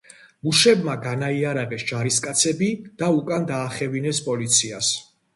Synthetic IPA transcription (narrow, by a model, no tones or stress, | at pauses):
muʃɛbmaɡanaiaɾaʁɛsd͡ʒaɾiskʼat̪sʰɛbid̪̥aukʼand̪aːχɛvinɛspʼɔlit̪sʰias